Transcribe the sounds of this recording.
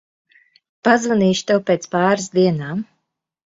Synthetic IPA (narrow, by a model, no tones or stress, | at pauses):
pazvaniːʃt̪ɛwpʲeːt̪spaːɾɨsd̪iɛnaːm